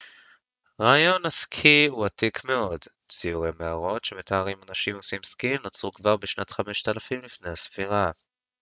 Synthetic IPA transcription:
ʁaːjo̞naskʰiuatikme̞o̞d | t͡sijuʁemeaʁo̞tʃe̞met̪aaʁimanaʃimosimskinot͡sʁukvaʁbeʃnat̪χame̞ʃt̪alafimlifne̞jhasfiʁa

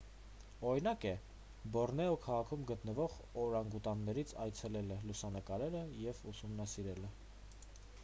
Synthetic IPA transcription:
ɔɾinɑkɛ | bɔrnɛɔkʰɑʁɑkʰumɡət̪nəvɔʁ | ɔɾɑŋɡut̪ɑnnɛɾit͡sʰɑjt͡sʰɛlɛləlusɑnəkɑɾɛɾəjɛvusumnɑsiɾɛlə

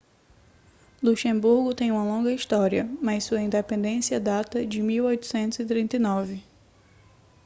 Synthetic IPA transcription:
luʃẽbuɾɡʊt̪ẽj̃ũmɐlõŋɡɐist̪ɔɾiɐmɐjsuɐĩnd̪epẽnd̪ẽsiɐd̪at̪ɐd͡ʒɪmiwojt̪ʊ̥sẽnt̪ʊzɪt̪ɾĩnt̪ɐjnɔvɪ

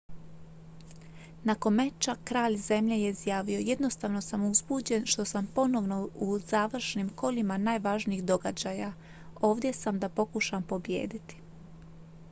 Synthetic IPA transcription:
nako̞nme̞t͡ʃakɾaːʎze̞mʎeje̞izjaːʋio̞je̞d̪no̞st̪aːʋno̞samuzbuːd͡ʑe̞nʃt̪o̞sampo̞no̞ʋno̞uz̥aːʋr̩ʃnimko̞ʎimanaːjʋaːʒniiːɣd̪o̞ɡad͡ʑaːja | o̞ːʋd̪je̞samd̪apo̞kuʃampo̞bje̞̰ːd̪it̪i̥

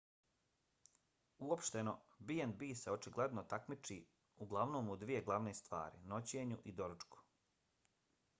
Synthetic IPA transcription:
uopʃt̪e̞no̞biend̪biːseo̞t͡ʃiɡle̞d̪not̪akmit͡ʃiː | uɡlˠaʋno̞ːmud̪ʋije̞ɡlˠaʋneːst̪ʋa̰ːɾino̞t͡ɕeːɲuʔid̪o̞ɾt͡ʃku̥

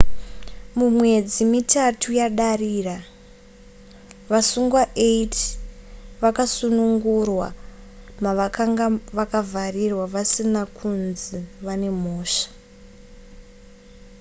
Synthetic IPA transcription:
mumwe̞d͡zimitatʰujaɗariːra | ʋasuŋɡwaʔeit | ʋakasunuŋɡurwa̰ | maʋakaŋɡaʋakavʱarirwaʋasinakʰunziʋane̞m̤oːʃḁ

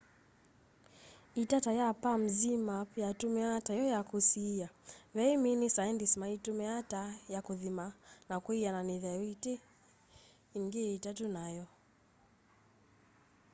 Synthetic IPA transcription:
itatajapam̩zimapiatumɛatajɔjakusijaβɛiminisaindismaitumɛatajakuðimanakwijananiðɛjɔite | iŋɡiitatunajɔ

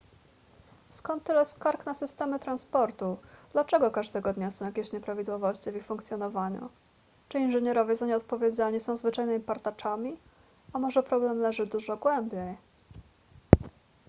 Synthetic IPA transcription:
skɔnt̪ːɘlɛskaɾknasɘst̪ɛmɘt̪ɾanspɔɾt̪ud̪̥lat͡ʂɛɡɔkaʐd̪ɛɡɔd̪ɲasɔ̃w̃jakʲeɕɲɛpɾavʲid̪wɔvɔɕt͡ɕivʲixfuŋkt̪sʲjɔnɔvaɲṵ | t͡ʂɘinʐɛɲɛɾɔvʲjɛzaɲɛɔt̪̚pɔvʲjed͡ʑaɲisɔ̃w̃zvɘt͡ʂajnɘmʲipaɾt̪at͡ʂamʲi | amɔʐɛpɾɔblɛmlɛʐɘd̪uʐɔɡwɛmbʲjej

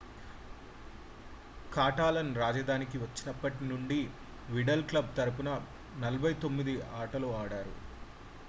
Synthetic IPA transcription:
kaːʈaːlɐnɾaːd͡ʒɐd̪ʱaːnik̬iʋɐt͡ʃːinɐpːɐʈinuɳɖi | ʋiɖɐlklɐb̚t̪ɐɾɐp̬unɐ | nɐlɐbʱɐjt̪o̞mːid̪iaːʈɐloːaːɽaːɾṵ

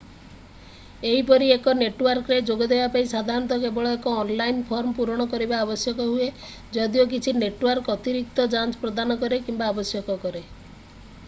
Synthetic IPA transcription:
eɦipɔɾiekɔneʈwaɾkɔɾed͡ʒoɡɔd̪ebapaisad̪ʱaɾɔnt̪ɔkebɔɭɔekɔːnlainpʰɔɾmɔpuɾɔɽ̃ɔkɔɾibaːbɔsjɔkɔɦue | d͡ʒɔd̪iok̬it͡ʃʰineʈwaɾkɔt̪iɾik̚t̪ɔd͡ʒant͡ʃpɾɔd̪anɔkɔɾekimbaːbɔsjɔkɔkɔɾe

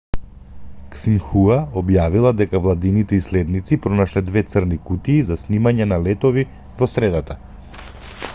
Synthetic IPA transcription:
ksinxuaɔbjavilˠad̪ɛkavlˠad̪init̪ɛislɛd̪nit̪sipɾɔnaʃlɛd̪vɛt̪sərnikut̪iːzasnimaɲɛnalɛt̪ɔvi | vɔsɾɛd̪at̪a

